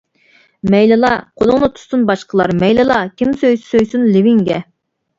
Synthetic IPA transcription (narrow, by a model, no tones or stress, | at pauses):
mɛjlɨlˠɑqʰolˠʊŋnɨt̪ʰu̥sunbɑʃqʰəlˠɑɾmɛjlɨlˠɑkʲʰimsøjssøjsunlɪvɪŋɡʲɛ